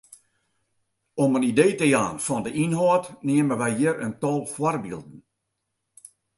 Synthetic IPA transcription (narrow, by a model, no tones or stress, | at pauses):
ɔmənideːtəjaːnfɔndəʔinhɔːtneəməʋɛjjiəɾəntɔlˠfwɔrbḭlˠd̚n̩